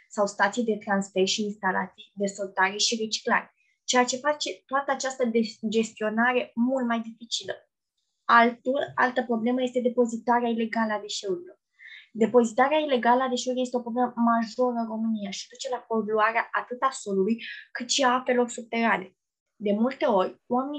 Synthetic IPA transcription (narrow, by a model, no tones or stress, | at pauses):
sawst̪at̪sijd̪e̞t̪ɾansfe̞rʃiːnst̪ala̰t̪sijd̪e̞so̞lt̪aɾeʃire̞t͡ʃi̥kla̰ɾe | t͡ʃe̞at͡ʃe̞fat͡ʃe̞t̪oat̪əat͡ʃast̪əed͡ʒe̞st̪io̞naɾe̞mult̪̚majd̪ifit͡ʃilə | alt̪ula̰lt̪əpɾo̞ble̞məje̞st̪e̞d̪e̞po̞zit̪aɾeaile̞ɡaləad̪e̞ʃe̞uɾilo̞r | d̪e̞po̞zit̪aɾeaile̞ɡaləad̪e̞ʃe̞uɾijest̪eopɾobleməmaʒo̞ɾənro̞mɨnijaʃiad̪ut͡ʃe̞lako̞luaɾeaʔat̪ɨt̪asolulujkɨt̪ʃiaape̞lo̞rsub̚t̪e̞ɾane̞ | d̪e̞mult̪e̞o̞rʲwame̞ni